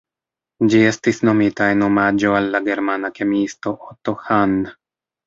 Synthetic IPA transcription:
d͡ʒie̞stisno̞mitae̞no̞mad͡ʒo̞alːaɡe̞ɾmanake̞miisto̞ʔotohand

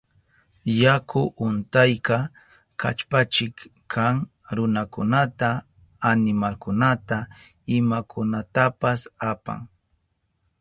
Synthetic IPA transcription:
jakʰʊʔʊnt̪ajkɑ | kʰa̰t͡ʃpat͡ʃɪkkʰaŋ | ɾʊnakʊnat̪aː | nɪmalkʊnat̪a | ɪmakʰʊnat̪apasapa̰ŋ

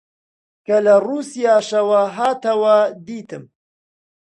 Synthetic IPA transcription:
kɐlɐruːsijaːʃɐwɐɦaːt̪ɐwɐd̪iːt̪ɨm

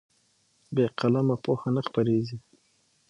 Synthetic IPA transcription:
beqalamapoxanaxpaɾezi

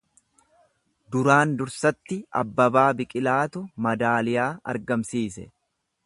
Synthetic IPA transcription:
d̪ʊɾaːnd̪ʊɾsɐt̪ːɪɐ̰bːɐbaːbɪkʼɪlaːt̪ʊmɐd̪aːlɪjaːɐ̰ɾɡɐmsiːsɛ

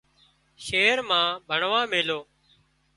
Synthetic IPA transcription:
ʃeːɾmãːbʱəɳʋãːmeːloː

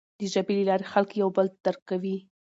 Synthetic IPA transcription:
d̪əʒabelelɑɾexalkjawbəld̪̥əɾkawi

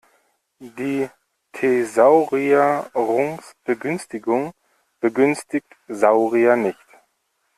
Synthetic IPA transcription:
diː | tʰezaʊʁiaʁʊŋsb̥əɡʏnstɪɡʊŋ | b̥əɡʏnstɪçtzaʊʁianɪçt

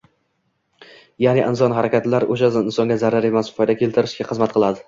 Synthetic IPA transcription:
janɪʔɪnsɒnɦaɾakʲat̪laɾoʃaɪnsɒŋɡʲazaɾaɾemaspʰɒjd̪akʲʰe̞lˠt̪ʰɪɾɪʃkʲaχɨzmat̪̚qʰɨlˠad̪ɪ

